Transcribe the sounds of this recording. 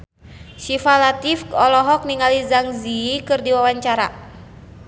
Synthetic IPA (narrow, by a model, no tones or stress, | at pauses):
ʃifalat̪ifɔlɔɦɔk̚niŋalizaŋziikɨrdiwawaɲt͡ʃaɾa